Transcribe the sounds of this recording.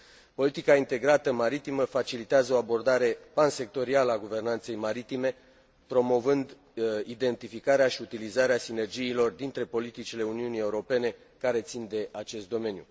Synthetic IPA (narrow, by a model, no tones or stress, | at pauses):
po̞lit̪ikaint̪e̞ɡɾat̪əmaɾit̪iməfat͡ʃilit̪eazəo̞abo̞rd̪aɾe̞panse̞k̚t̪o̞ɾialəaɡuve̞rnant̪se̞jmaɾit̪ime̞ | pɾo̞mo̞vɨnd̪ | id̪e̞nt̪ifikaɾeaʃiut̪ilizaɾeasine̞rd͡ʒiːlo̞rd̪int̪ɾe̞po̞lit̪it͡ʃile̞uniunije̞uɾo̞pe̞ne̞ | kaɾe̞t̪sind̪e̞ʔat͡ʃe̞st̪d̪o̞me̞njṵ